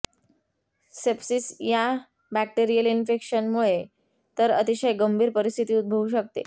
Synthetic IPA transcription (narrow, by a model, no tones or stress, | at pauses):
sepsiːsja | bæk̚ʈeɾijəlinfekɕənmuɭe | t̪əɾət̪iɕəjɡəmbʱiːɾpəɾist̪ʰit̪iːud̪̚bʱəʋuɕ̬ək̚t̪ḛ